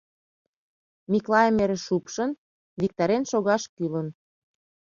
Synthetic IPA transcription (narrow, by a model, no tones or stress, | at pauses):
miklɑemeɾĕʃupʃən | βik̚t̪ɑɾenʃoɣɑʃkylə̆n